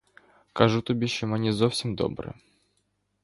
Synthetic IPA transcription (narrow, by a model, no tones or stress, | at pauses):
kɐʐut̪ʊbʲɪɕɪmɐnʲizofsʲɪmd̪o̰bɾɨ̰